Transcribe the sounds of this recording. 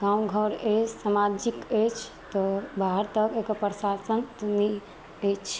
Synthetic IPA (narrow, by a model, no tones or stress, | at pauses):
ɡãmɡʱəɾesamad͡ʒiket͡ʃʰ | t̪ɔbʱaɦəɾt̪əkekəpɾəsasənt̪ɔnɛ | et͡ʃʰ